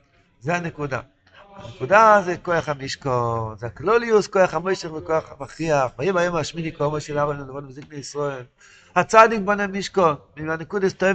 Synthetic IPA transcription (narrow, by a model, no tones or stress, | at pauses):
zeanekud̪a̰ | a̰nekud̪azekojaχhamiʃkonzeakloliuskojaχhamojʃeχvekojaχabaχiaχvajibajomaʃmidikoomoʃelavanelavonbzikneisʁoel | hat͡sad̪ik̚bonemiʃkonmianekud̪aist̪oje